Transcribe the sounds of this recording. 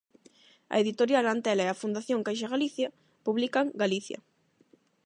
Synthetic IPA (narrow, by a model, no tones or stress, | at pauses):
ɐ̰eðit̪oɾjalant̪ɛlaɛafund̪aθjoŋkajʃ̬aɣaliθjɐ | puβlikɐŋɡaliθjɐ̰